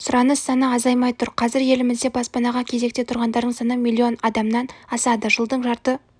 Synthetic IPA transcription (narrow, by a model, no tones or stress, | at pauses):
sʊɾɑnəsːɑnəɑzɑjmɑjt̪ʰʊɾqʰɑzɪɾje̞lɪmɪzd̪e̞bɑspɑnɑʁɑkʲʰe̞ze̞k̚t̪e̞t̪ʰʊɾʁɑnd̪ɑɾd̪əɴsɑnəmilʲˠːio̞nɑd̪ɑmnɑnɑsɑd̪əʒəlˠd̪əɴʒɑɾt̪ə